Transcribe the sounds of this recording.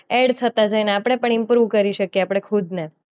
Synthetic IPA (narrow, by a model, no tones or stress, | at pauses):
eɽt̪ʰət̪ad͡ʒajnaapɽ̃epəɳimpɾuʋkəɾiʃəkjeapəɽ̃ekʰud̪ne